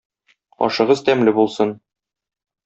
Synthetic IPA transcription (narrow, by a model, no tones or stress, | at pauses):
ɒ̰ʃɤ̆ʁɤzt̪æmlɘbulˠsɤn